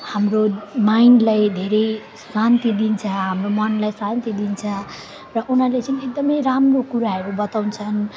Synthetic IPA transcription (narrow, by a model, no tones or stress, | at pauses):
hamromainlajd̪ʱeɾʌj | sant̪id̪int͡sʰʌɦamromʌnlajsant̪id̪int͡sʰʌ | rʌʔunɦalet͡sʌniek̚d̪ʌmʌjɾamrokuɾaɦʌɾubʌt̪awnt͡sʰʌn